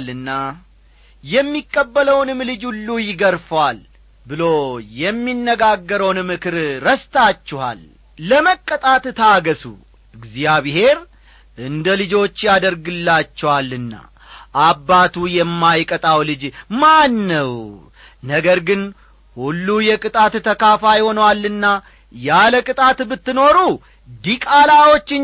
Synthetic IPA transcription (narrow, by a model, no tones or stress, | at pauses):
lɨnːa | jɛmːikʼːəbːələwnɨmlɨd͡ʒhulːujɪɡəɾfəwal | bɨlo̞jɛmːinːəɡaɡːəɾəwnmɨkɨɾɾəst̪ʰat͡ʃːɪha̰lː | əməkʼːət̪ʼat̪t̪ʰaɡəsṵ | ɨɡzijaβɪɦe̞ɾ | ʔɨnd̪əlɨd͡ʒo̞t͡ʃːjad̪əɾɡɨlːat͡ʃːɛwalːɨnːa̰ | ʔabːat̪ʰujɛmːajkʼət̪ʼawlɨd͡ʒmanːəw | nəɡəɾɡɨn | hulːujɛkʼɨt̪ʼat̪t̪ʰəkafajho̞nwalːɨnːa | jaləkʼɨt̪ʼat̪bɨt̪ːɨno̞ɾu | d̪ikʼalawo̞t͡ʃːɪ